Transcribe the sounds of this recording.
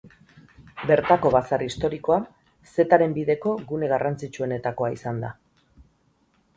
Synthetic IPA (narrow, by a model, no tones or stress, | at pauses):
be̞ɾt̪ako̞βasarist̪o̞ɾiko̞a | se̞t̪aɾe̞mbiðe̞ko̞ɣune̞ɣarant͡sit͡ʃue̞ne̞t̪ako̞aisand̪a